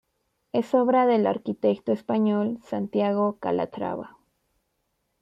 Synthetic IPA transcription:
e̞so̞βɾaðe̞laɾkit̪e̞kt̪oespaɲo̞lsant̪jaɣo̞ka̰lʔa̰t̪ɾa̰βa̰

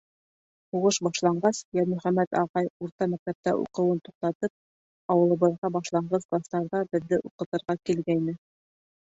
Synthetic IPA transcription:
huʁɤʃbɑʃlˠɑɴɢɑsjæmɵ̆χæmæt̪ɑʁɑjuɾt̪ɑmæk̚t̪æp̚t̪æ̰ʔṵqɤ̆wɤnt̪uq̚t̪ɑt̪ɤp̚ | ɑwɤ̆lˠɤ̆βɤ̆ðʁɑbɑʃlˠɑɴɢɑsklˠast̪ɑɾðɑbɘ̆ðːɘʔuqɤ̆t̪ɤ̆ɾʁɑkilɡæjnɘ

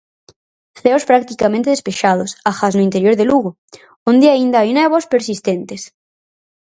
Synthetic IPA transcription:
θeospɾak̚t̪ikamẽnt̪eðespeʃað̞osaxaznʊint̪eɾjoɾðeluɣo | õnd̪eaind̪aajunɛβospeɾsist̪ent̪es

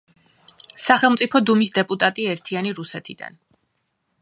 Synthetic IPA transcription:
saχɛlˠmt̪sʼipʰɔd̪umisd̪ɛpʼut̪ʼat̪ʼiɛɾt̪ʰianiɾusɛt̪ʰid̪a̰n

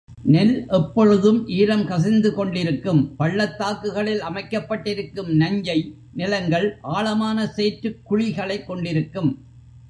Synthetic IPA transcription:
nɛlʔɛpːɔɻɯðɯmʔiːɾɐmkɐs̬ɪnd̪ɯkɔɳɖɪɾɯkːɯmpɐɭːɐt̪ːaːkːɯɣɐɭɪlɐmɐɪkːɐpːɐʈːɪɾɯkːɯmnɐɲd͡ʒɐɪ | nɪlɐŋɡɐɭʔaːɭɐmaːnɐseːʈɾɯkːʊɻɪɣɐɭɐɪkːɔɳɖɪɾɯkːɯm

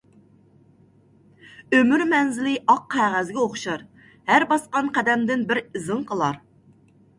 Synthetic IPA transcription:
ømyɾmɛnzɪlɪʔɑqʰːæʁæzɡʲɛoχʃɑɾ | hæɾbɑsqɑnqʰæd̪ɛmd̪ɪnbɪɾɪzɨŋqʰəlˠɑɾ

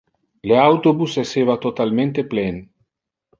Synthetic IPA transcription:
leawt̪obusesevat̪ot̪almẽnt̪eplen

